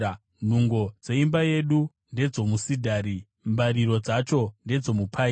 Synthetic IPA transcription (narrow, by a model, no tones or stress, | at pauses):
n̤uŋɡo̞d͡ze̞imbaje̞ɗu | nde̞d͡zo̞musidʱaːɾi | mbaɾiɾo̞d͡zat͡ʃo̞nde̞d͡zo̞mupʰai